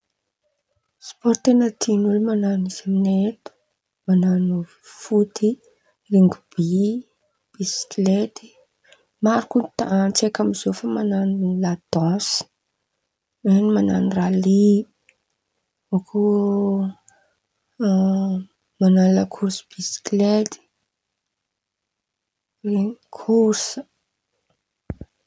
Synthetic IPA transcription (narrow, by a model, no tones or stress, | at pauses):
spɔɾt̪enat̪ʰinulumananiz̥aminet̪u̥ | mananu | fut̪i | riŋɡʲub̥i | b̥isi̥klet̪i̥ | maɾukut̪at͡sekamiz̥ofəmananulad̪̥ɔ̃s | enimana̰nirali | okʰu | mananlakʰursi̥b̥isi̥klet̪i̥ | reŋikʰuɾsə